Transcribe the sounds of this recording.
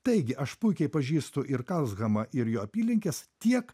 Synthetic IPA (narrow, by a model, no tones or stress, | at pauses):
t̪ɐɪɡʲɪʔɐʃpʊɪkʲɛɪpɐʒʲiːst̪ʊʔɪɾkɐlˠsɣɐmɐʔɪɾjoːɐpʲiːlʲɪŋʲkʲɛst̪ʲiɛk